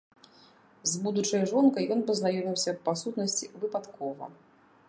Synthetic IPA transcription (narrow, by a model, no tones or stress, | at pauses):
zbud̪ut͡ʂɐjʐɔnkɐjjɔnpɐznajɔmʲiwsʲɐːasut̪nɐsʲt͡sʲivɨpat̪kɔvɐ̰